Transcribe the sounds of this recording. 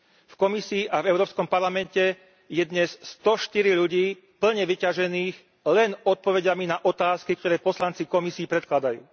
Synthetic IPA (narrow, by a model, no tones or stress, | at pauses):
fkɔmisiːʔavɛʊɾɔːpskɔmpaɾlamɛncɛ | jɛd̪ɲɛsst̪ɔʃt̪iɾiʎuɟiː | pl̩ɲɛʋicaʒɛniːx | lɛnɔt̪̚pɔʋɛɟaminaʔɔt̪aːskik̚t̪ɔɾɛːpɔslant͡sikɔmisiːpɾɛt̪klad̪ajṵː